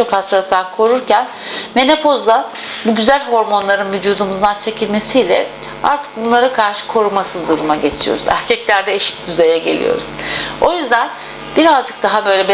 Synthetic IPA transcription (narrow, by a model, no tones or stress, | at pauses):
t͡ʃʰo̞khast̪aɾat̪ʰakʰo̞ɾuɾcʰæn | me̞nepʰo̞zlˠa | buɟyzælʲɦo̞ɾmo̞nlˠaɾɯnvyd͡ʒuːd̪umuzd̪ant͡ʃʰe̞cʰilʲme̞sijlʲɛ̰ | a̰ɾt̪ʰɯ̥k̚bunlˠaɾakʰaɾʃɯ̥kʰo̞ɾumasɯzd̪uɾumaɟe̞t͡ʃʰijo̞̰ɾuzæ̰ɾcʰɛclʲæɾd̪ɛeʃi̥t̪̚d̪yze̞jɛɟe̞̰lʲḭjo̞̰ɾṵz̥o̞jyzd̪æn | biɾazd͡ʒɯk̚d̪̥aɦabø̞jlʲɛb